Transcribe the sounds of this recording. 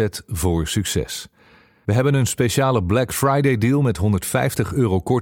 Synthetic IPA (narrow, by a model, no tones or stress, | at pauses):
ɛtvʊːɹsyksɛ̰s | ʋəɦɛbənənspeʃaːləblɛkfɹajdejdiːlˠmɛtɦɔndəɹtfɛjftəχøːrowkɔ